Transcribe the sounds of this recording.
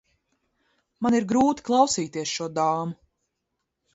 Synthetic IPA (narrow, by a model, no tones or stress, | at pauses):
maniɾɡɾuːt̪i̥klˠɑwsiːt̪iɛsʃuɔd̪aːmu